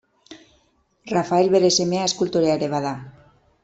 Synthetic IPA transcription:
rafaelβeɾesemeaeskult̪oɾeaɾeβaða

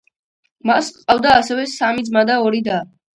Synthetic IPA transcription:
masqʼavd̪aːsɛvɛsamid̪zmad̪aɔɾid̪a

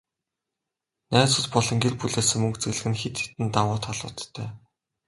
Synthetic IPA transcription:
næːt͡sʊ̆t̪pɔɮɞ̆ŋɡerpuɮeːsɘ̆ŋmːɵkt͡sɘ̆ɣɮɘ̆xɘ̆nxet̪xe̥t̪ɘ̆nt̪awʊːt̪ʰχaɮʊ̰ːt̪ʰːæː

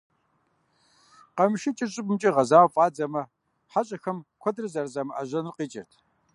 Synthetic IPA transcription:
qɐmɨʃɪt͡ʃʼɪɕʼɪpʼmt͡ʃʼiʁɐzaːwfʼaːd͡zɐmɐ | ħaɕʼɐxɐmkʷʰɔdrɨzɐrzɐmɐʔɐʑɐnrqiːt͡ʃʼɪ̰rtʰ

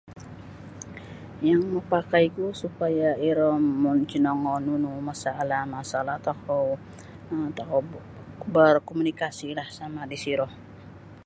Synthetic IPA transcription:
jaŋməpakaikusupajaiɾɔmːʊnt͡ʃinɔŋɔnunumasalahmasalaht̪akɔ | t̪akɔw | bərkɔmunikasilahsamadisiɾɔh

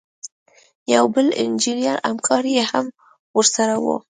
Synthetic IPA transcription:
jawbəlɪ̰nd͡ʒinijaɾa̰mkʰɑɾijeham | wəɾsaɾawṵ

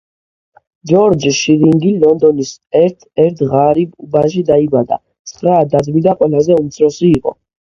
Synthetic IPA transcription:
d͡ʒɔɾd͡ʒiʃiɾiŋɡilɔnd̪ɔnisɛɾt̪ʰɛɾt̪ʰʁaɾibubaʃid̪aibad̪a̰ | t̪sʰχɾaːd̪ad̪mid̪aqʼwɛlazɛumt̪sʰɾɔsiːqʼɔ̰

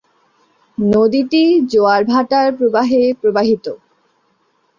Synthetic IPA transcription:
nod̪iʈid͡ʑoaɾbʱaʈaɾpɾobaɦepɾobaɦit̪o

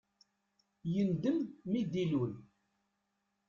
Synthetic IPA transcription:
jənd̪əmːid̪ilun

